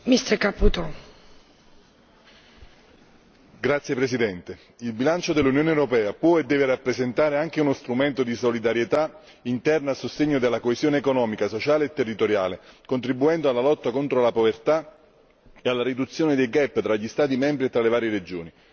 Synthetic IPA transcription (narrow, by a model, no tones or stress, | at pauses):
mist̪ɛɾkaput̪o | ɡɾat̪sjepɾesid̪ɛnt̪e | ilbilant͡ʃod̪elːunjoːnewɾopɛːapwɔed̪ːɛːveɾapːɾezent̪aːɾeaŋk̟eunost̪ɾument̪od̪isolid̪aɾjet̪a | int̪ɛrnaːsost̪eɲːod̪elːakoezjoːneːkonɔːmikasot͡ʃaːleːt̪ːerːit̪oɾja̰ːlekont̪ɾibːuɛnd̪oalːalɔt̪ːakont̪ɾolapovert̪a | ealːaɾid̪ut̪sːjoːned̪ejɡɛpːt̪ɾaʎːist̪aːt̪̬imɛmbɾiet̪ːɾalevaːɾjeɾed͡ʒoːni